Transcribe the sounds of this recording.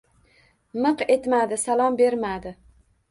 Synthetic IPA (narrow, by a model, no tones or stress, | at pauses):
mɨqe̞t̪mad̪ɪsalˠɒmbe̞ɾmad̪ɪ